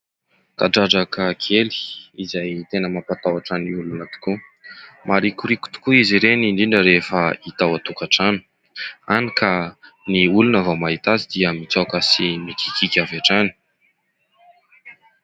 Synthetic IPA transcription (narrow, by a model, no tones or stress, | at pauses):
ka̰ɖ͡ʐaɖ͡ʐakəkʰeli̥izajt̪enəmapat̪awaʈ͡ʂaniulunat̪u̥kumaɾikuɾiku̥t̪u̥kuiziɾeniɳɖ͡ʐiɳɖ͡ʐəɾefəit̪awat̪ukaʈ͡ʂanu̥ | anika | niulunavamaɦit̪azid̪iəmit͡sakəsimikikikʲavaʈ͡ʂani̥